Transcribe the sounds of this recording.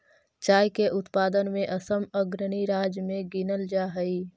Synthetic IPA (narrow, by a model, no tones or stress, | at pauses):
t͡ʃaːjkeʔʊt̪paːd̪ənmẽʔəsəməɡɾəɽ̃iɾaːd͡ʒmẽɡɪnəld͡ʒaːɦəi